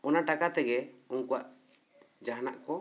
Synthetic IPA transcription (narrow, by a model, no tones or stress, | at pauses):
ɔnaʈakat̪ɛɡɛuŋkuwaʔ | d͡ʒaɦna̰ʔkɔ